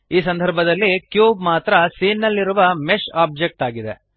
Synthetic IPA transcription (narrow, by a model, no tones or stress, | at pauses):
iːsɐnd̪ʱɐɾbʱɐd̪ɐlːikjuːbmaːt̪ɾɐsiːnːɐlːiɾuʋɐmeʃaːb̚d͡ʒek̚ʈaːɡid̪e̞̰